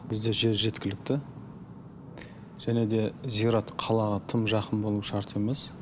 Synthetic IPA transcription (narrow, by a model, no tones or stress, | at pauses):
bɪzd̪e̞ʒe̞ɾʒe̞t̪kʲɪlɪk̚t̪ɪ | ʒ̥æne̞d̪e̞zijɾɑt̪qʰɑlˠɑʁɑt̪ʰəmʒɑqənbo̞lˠuʃɑɾt̪e̞me̞s